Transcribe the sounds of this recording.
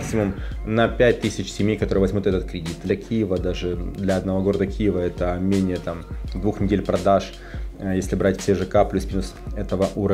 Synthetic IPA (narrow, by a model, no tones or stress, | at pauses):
ksʲɪmʊmnɐpʲæt̚ʲt̪ɨsʲɪt͡ɕsʲɪmʲejkɐt̪oɾɨjəvɐzʲmʲut̪ɛt̪ət̪̚kɾʲɪdʲit̪̚d̪lʲɐkʲʰijɪvəd̪aʐɨd̪lʲɐɐd̪nɐvoɡo̞ɾəd̪əkʲʰijɪvəɛt̪əmʲenʲɪjət̪amd̪vuxnʲɪdʲelʲpɾɐd̪aʂ | jesʲlʲɪbɾatʲfʲsʲeʐɨkaplʲusmʲinusɛt̪əvəʔuɾə